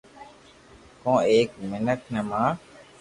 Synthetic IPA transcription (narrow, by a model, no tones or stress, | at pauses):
kõːeːkmɪnəkʰnəmãː